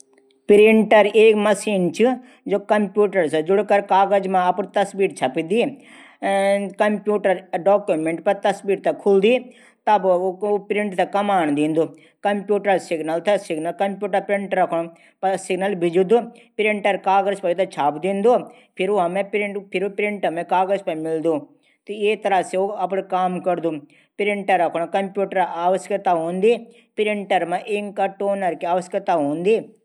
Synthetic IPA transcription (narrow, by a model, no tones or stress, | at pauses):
pɪɾɪɳʈɐɾeːkmɐsiːnt͡ʃʰɨ | d͡ʒoːkɐmpjuːʈɐɾsɐd͡ʒʊɽkɐɾkaːɡəd͡ʒmãɐpnt̪ɐsbiːɾt͡ʃʰɐpid̪iː | kɐmpjuːʈɐɾɖɔːkjumẽɳʈpɐɾt̪ɐsbiːɾt̪ʰɛkʰʊld̪iː | t̪ɐbpɾɪ̃ɳʈt̪ʰɛkɐmaːɳ̃d̪ĩːnd̪oː | kɐmpjuːʈɐɾsɪɡnɐlt̪ʰɛsɪɡnɐlkɐmpʲjuːʈɐɾpɾɪɳʈɾɐkʰɳ̃ | pɐsɪɡnəlbʱɪd͡ʒud̪upɾɪɳʈɐɾkaːɡəɾspɐit̪ʰat͡ʃʰaːpd̪ĩːnd̪o | pʰɪɾuɦɐmẽpɾɪpʰɪɾupɾɪɳʈɐmẽkaːɡəɾspɐ̃mɪld̪u | tt̪iet̪ɐɾaseoɐp̬ɽkaːmkɐɾd̪u | pɾɪɳʈɐɾːɐkʰɽ̃kɐmpʲjuːʈəɾaːʋəsət̪aɦõːnd̪i | pɪɾɪɳʈɐɾmẽʔɪŋkɐʈoːnɐɾkiaːʋəsət̪aɦõːnd̪iː